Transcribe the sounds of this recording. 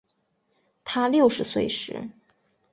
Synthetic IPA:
t̪ʰa˥ljo˥˩ʊʂɻ̩˧˥swe˥˩ɪʂɻ̩̰˧˥

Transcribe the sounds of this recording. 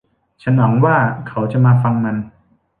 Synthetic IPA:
t͡ɕʰa˦˥nwaː˩˦ŋwaː˥˩kʰa˩˦˥wt͡ɕa˨˩ʔmaː˧fa˧ŋma˧n

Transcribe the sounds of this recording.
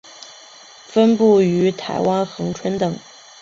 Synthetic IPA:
fə˥npu˥˩y˧˥t̪ʰa˧˥ɪwa˥nxɤ˧˥ŋʈ͡ʂʰwə˥nt̪ɤ˨˩˦ŋ

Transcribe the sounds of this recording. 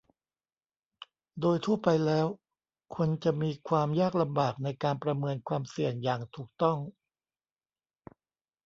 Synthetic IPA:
doː˧jt̪ʰu˥˩ɐpa˧jlɛː˦˥w | kʰo˧nt͡ɕa˨˩miː˧kʰwaː˧mjaː˥˩k̚la˧mbaː˨˩k̚na˧jkaː˧npɾa˧mɤː˧nkʰwaː˧msi˨˩əŋjaː˨˩ŋt̪ʰuː˨˩k̚t̪ɔ˥˩ŋ

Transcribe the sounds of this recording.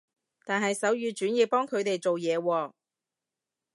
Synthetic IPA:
t̪aː˨nɦɐ˨jsɐ˨˥wjyː˨˧t͡ʃyː˨˥nji˨˧pɔː˥ŋkʰɵ˨˧ɥt̪e˨jt͡so˨wjɛː˨˧wɔː˧

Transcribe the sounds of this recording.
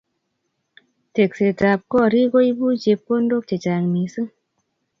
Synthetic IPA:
te˨k̚se˨ta˧p̚kɔː˦˨ɾi˦ko˦jbuː˦˨t͡ʃe˧p̚ko˦ndo˦˨k̚t͡ʃe˨t͡ʃa˨ŋniː˨˦sɨ˦ŋ

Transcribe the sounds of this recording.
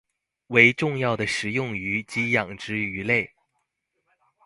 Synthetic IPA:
we˧˥ɪʈ͡ʂʊ˥˧ŋjɑ˥˩ʊd̪ə˩ʂɻ̩˨˩jʊ˥˩ŋy˧˥t͡ɕi˧˥jɑ˨˩ŋʈ͡ʂɻ̩˥y˧˥le˥˩ɪ

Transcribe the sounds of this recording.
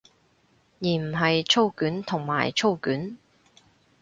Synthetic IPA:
jiː˨m̩˨˩ɦɐ˨jt͡ʃʰo˥wkyː˨˥nt̪ʰʊ˨˩ŋma̰ː˨˩jt͡ʃʰo˥wkyː˨˥n

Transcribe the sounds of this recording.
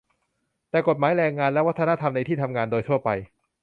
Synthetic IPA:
t̪ɛː˨˩ko˨˩t̪̚maː˩˦jɾɛː˧ŋaː˧nlɛ˦˥wa˦˥t̪ʰːa˧na˦˥t̪ʰa˧mna˧jt̪ʰiː˥˩t̪ʰa˧mŋaː˧ndoː˧jt̪ʰu˥˩ɐpa˧j

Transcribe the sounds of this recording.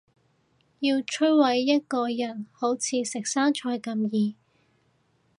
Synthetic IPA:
jiː˧wt͡ʃʰɵ˥wɐ˨˧jːɐ˥t̚kɔː˧jɐ˨˩nho˨˥wt͡sʰiː˨˧sɪ˨k̚saː˥ŋt͡ʃʰɔː˧jkɐ˧mjiː˨˧

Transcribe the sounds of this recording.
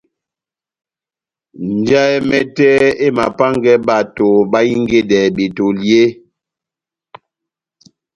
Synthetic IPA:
n̩˨d͡ʒa˦ɛ˦mɛ˦tɛ˦e˦ma˨pa˦ŋɡɛ˦ba˦˨to˨ba˦i˦ŋ˦ɡe˦dɛ˨bi˨to˨lje˦

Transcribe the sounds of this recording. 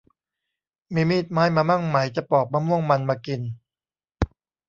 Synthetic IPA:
miː˧miː˥˩t̪̚maː˦˥jmaː˧ma˥˩ŋma˩˦jt͡ɕa˨˩pɔː˨˩k̚maː˧mu˥˩əŋma˧nmaː˧ki˧n

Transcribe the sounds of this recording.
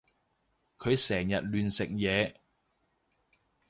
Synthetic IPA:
kʰɵ˨˧ɥsɛː˨˩ŋjɐ˨t̚lyː˨nsɪ˨k̚jɛː˨˧

